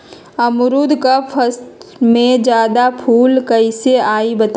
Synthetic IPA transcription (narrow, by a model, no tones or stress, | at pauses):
ɐmʊɾuːd̪kapʰəst̪mẽd͡ʒjaːd̪apʰuːlkɐɪseaːibɐt̪